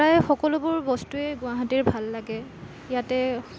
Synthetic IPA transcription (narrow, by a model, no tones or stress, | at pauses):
ajxɔkɔlʊbʊɹbɔstuɛɡʊaɦatiɹbʱalːaɡɛ | jatɛ